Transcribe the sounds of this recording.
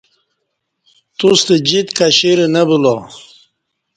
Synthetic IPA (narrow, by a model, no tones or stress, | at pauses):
t̪ust̪ed͡ʑit̪kaɕiɾenabulo